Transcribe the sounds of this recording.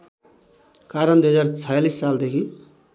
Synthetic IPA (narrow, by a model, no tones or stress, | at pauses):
kaɾʌnd̪ujɦʌd͡zart͡sʰʌjalisːald̪ekʰi